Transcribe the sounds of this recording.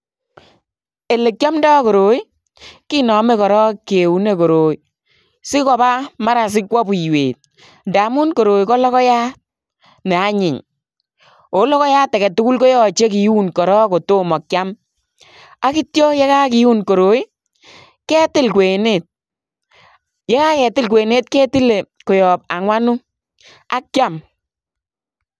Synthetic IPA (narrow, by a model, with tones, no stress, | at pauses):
e˨le˨k̚t͡ʃɔ˦mdɔ˦kɔ˨ɾo˨i˦ | ki˦nɔ˨me˦kɔ˨ɾɔ˦ke˨u˨ne˦˨ko˨ɾoː˨i˨ | sɪ˦kɔ˨ba˦ma˦ɾa˨s̬ɪ˦kwɔ˦bu˨jwḛ˨t̚ | nda˨mu˦nko˨ɾoː˨jkɔ˦lɔ˦kɔ˦ja˦t̚ | nɛ˨a˦ɲɪ˨ɲ | o˨˦lɔ˦kɔ˦jaː˦tːɛ˨kɛ˨tʊ˦ku˦lkɔ˦jɔ˦t͡ʃe˦ki˨ju˦nkɔ˨ɾɔ˦ko˨to˦mɔ˨kja˦m | a˦kɪ˦tjɔ˦jɛ˦ka˦kɪ˨u˦nko˨ɾo˨i˦ | kɛ˦tɪ˦lkwe˨ne˦˨t̚ | je˦ka˦kɛ˨tɪ˦lk̬we˨ne˦t̚kɛ˦ti˦le˨ | ko˨jɔ˨p̚a˨ŋwa˦nu˦ | a˦k̚ja˦˨m